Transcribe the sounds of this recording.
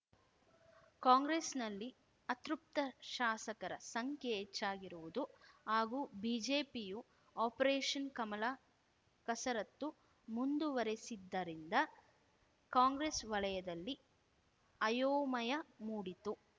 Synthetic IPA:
kaːŋɡɾesnɐlːi | ɐt̪ɾup̚t̪ɐʃaːsɐkɐɾɐ̰sɐŋkʰjɛːt͡ʃːaːɡiɾuʋud̪uɦaːɡuːbiːd͡ʒeːpiju | aːpɐɾeːʂɐnkɐmɐlaː | kɐsɐɾɐt̪ːu | mund̪uʋɐɾesid̪ːɐɾind̪ɐ | kaːŋɡɾesʋɐɭɐjɐd̪ɐlːi | ɐjoːmɐjɐmuːɽit̪u

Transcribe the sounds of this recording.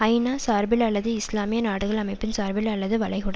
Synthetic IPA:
ɐɪnaːsaːɾbɪlɐɭːɐðɯɪslaːmɪjɐnaːɽɯɣɐɭɐmɐɪpːɪnsaːɾbɪlɐɭːɐðɯʋɐɭɐɪɣʊɽɐ

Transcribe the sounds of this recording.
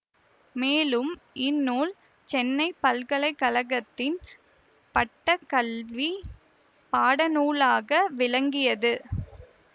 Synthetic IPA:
meːlɯmʔɪnːuːl | t͡ʃɛnːɐɪpːɐlkɐɭɐɪkɐɭɐɣɐt̪ːɪn | pɐʈːɐkɐlʋi | paːɽɐnuːlaːɣɐʋɪlɐŋɡɪjɐðɯ

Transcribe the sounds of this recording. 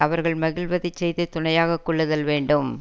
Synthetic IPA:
ɐʋɐɾɣɐɭmɐɣɪlʋɐðɪt͡ʃːɛjðɐt̪ʊɳɐjaːɣɐkːɔɭːɐðɐlʋeːɳɖɯm

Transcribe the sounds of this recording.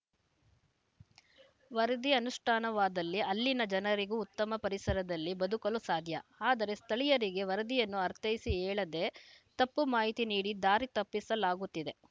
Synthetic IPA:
ʋɐɾɐd̪iɐnuʂʈʰaːnɐʋaːd̪ɐlːiɐlːinɐd͡ʒɐnɐɾiɡuːt̪ːɐmɐpɐɾisɐɾɐd̪ɐlːibɐd̪ukɐlusaːd̪ʱjɐaːd̪ɐɾe̞st̪ʰɐɭijɐɾiɡe̞ʋɐɾɐd̪ijɐnːuɐɾt̪ʰɐjisiɦɛːɭɐd̪e̞t̪ɐpːumaːɦit̪iniːɽid̪aːɾit̪ɐpːisɐlaːɡut̪ːid̪e̞

